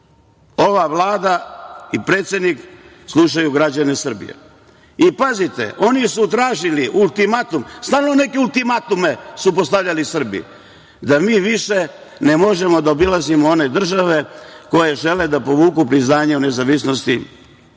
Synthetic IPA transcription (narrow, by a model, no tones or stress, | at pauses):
o̞ʋaʋlaːd̪aipɾe̞ːt̪sje̞d̪nik | slˠuʃ̬ajuɡɾad͡ʑane̞sr̩bḭjḛ | ipazit̪e̞̰ʔo̞nisut̪̬ɾaːʒiliʔulˠt̪imat̪umst̪aːlnone̞keulˠt̪imat̪ume̞supost̪aʋʎalisr̩bḭ | d̪amiːʋiʃe̞ | nemo̞ʒe̞mo̞d̪aobilazimoone̞d̪r̩ʒaʋe̞ko̞je̞ʒe̞led̪apo̞ʋuːkupɾiznaːɲeune̞zaʋisnost̪i